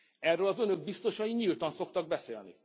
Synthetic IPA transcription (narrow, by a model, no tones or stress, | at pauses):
ɛrːøːlɒzønøɡ̚bist̪o̞ʃɒjiɲilt̪ɒnso̞kt̪ɒɡ̚bɛseːlnḭ